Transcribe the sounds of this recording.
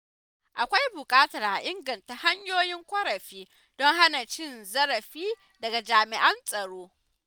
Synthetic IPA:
ʔa˨kʷa˦jbʊ˨kʼaː˦tɐ˨rʔa˨ʔɪ˦ŋɡɐ˨nta˨ha˦ɲjoː˦jɪ˦ŋkʷɐ˦ɾɐ˨ɸiː˦ | dɔ˦ŋɦa˦na˨t͡ʃɪ˦nzɐ˦ɾɐ˨ɸiː˦ | dɐ˨ɡa˨d͡ʒaː˨mɪ˨ʔɐ˦nsʼɐ˨ɽoː˦

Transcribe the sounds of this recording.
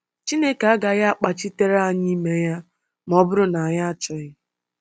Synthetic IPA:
t͡ʃi˦ne˦ka˨a˦ɡa˨ɣa˦a˦k͡pa˨t͡ʃi˦te˦ɾa˦˨ɲɪ˦i˦me˦ja˦ | m˦ɔ˦bʊ˦ɾʊ˦na˨a˨ɲa˦a˨t͡ʃɔ˨ɪ˦˨

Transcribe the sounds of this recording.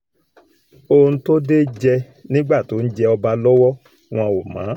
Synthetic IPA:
o˧n̩˧˦to˦de˦d͡ʒɛ˧ | nĩ˦ɡ͡ba˦˨to˨˦n̩˦d͡ʒɛ˧ɔ˧ba˧lɔ˦wɔ˦ | w̃ɔ̃˧wo˨mã̰ː˨˦

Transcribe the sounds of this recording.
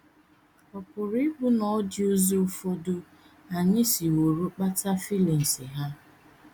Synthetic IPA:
ɔ˨pʊ˨ɾi˦bʊ˦nɔ˨˦d͡ʒɪ˦u˦zo˦fo˦dʊ˦ | a˨ɲɪ˦si˨wo˨ɾu˦k͡pa˦ta˦fi˦li˨n̩˨sɪ˨ɦa˦

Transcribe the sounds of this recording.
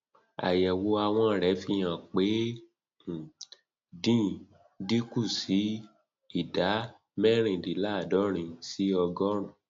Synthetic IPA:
a̰˨jɛ˨wo˧a˧w̃ɔ̃˧˨ɾɛ˨˦fi˧j̃ã˧˨k͡pe˨˦˨ | dĩ˦ | di˦ku˦˨si˨˦ | i˦˨da˨˦ | mɛ̃˦ɾ̃ĩ˧˨di˨˦la˦˨dɔ˨˦ɾ̃ĩ˧si˦ɔ˧ɡɔ˦ɾũ˦˨

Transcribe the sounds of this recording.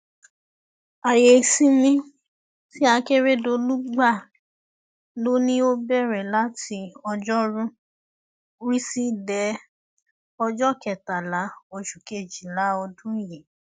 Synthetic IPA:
a˨je˨sĩ˦mĩ˦ | ti˦a˧ke˦ɾe˦˨do˧lu˦ɡ͡ba˦˨ | lo˦nĩ˦o˦bɛ˦˨ɾɛ˨la˨˦tʰi˧ɔ˧d͡ʒɔ˦ɾũ˦ | ɾi˦si˦dɛ˨˦ | ɔ˧d͡ʒɔ˦˨kɛ˨ta˨la˨˦o˧ʃu˨ke˦˨d͡ʒi˨la˨˦ɔ˧dũ˦˨je˨

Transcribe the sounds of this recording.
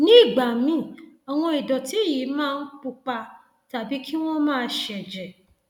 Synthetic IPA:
nĩ˦˨ɡ͡ba˨mĩ˦˨ɔ˨w̃ɔ̃˧i˨dɔ˨ti˦ji˨˦mãː˦˧n̩˦k͡pu˧k͡pa˧ | ta˨bi˨˦kʰi˦w̃ɔ̃˦mãː˦˧ʃɛ˨d͡ʒɛ˨

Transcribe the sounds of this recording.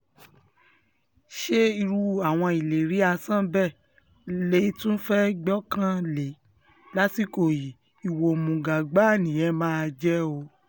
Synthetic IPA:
ʃe˦i˧ɾu˧a˨w̃ɔ̃˧i˨le˨ɾi˨˦a˧sã˦bɛ˦˨ | le˦tũ˦fɛ˦ɡ͡bɔ˦kã˦le˨˦ | la˦ti˦ko˨ji˨ | i˨wo˨mũ˨ɡa˨ɡ͡ba˨˦˨nĩ˨ɛ̃˦mãː˦˧d͡ʒɛ˦o˧˦

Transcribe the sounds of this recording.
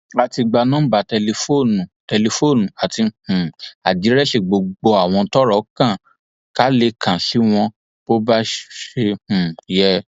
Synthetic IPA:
a˨ti˧ɡ͡ba˧nã˦ba˨˧˨tɛ˧le˧fo˦˨nũ˨tɛ˧le˧fo˦˨nũ˨a˨ti˧hũ˨a˨di˨˦ɾɛ˦ʃe˦˨ɡ͡bo˧ɡ͡bo˧a˨w̃ɔ̃˧tɔ˦ɾɔ˨˦kã˦˨ | ka˨˦le˧kʰã˨si˦w̃ɔ̃˧ | bo˦ba˦ʃe˧hũ˨jɛ˧

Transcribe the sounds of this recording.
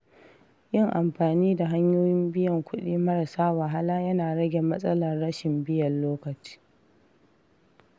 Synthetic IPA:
jɪ˦˨ŋʔa˨mɸaː˨niː˦da˨ɦa˦ɲjoː˦jɪ˦mbɪ˦jɐ˨ŋkʷʊ˦ɗiː˦mɐ˦ɾɐ˨saː˦wa˨ɦa˦laː˦jɐ˦naː˨ɽɐ˦ɡʲe˨mɐ˦sʼɐ˦lɐ˨rːɐ˦ʃɪ˨mbɪ˦jɐ˨nːoː˦kɐ˨t͡ʃi̥ː˦

